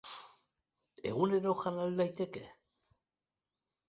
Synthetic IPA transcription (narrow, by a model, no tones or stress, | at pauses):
e̞̰ɣune̞ɾo̞xanald̪ajt̪e̞ke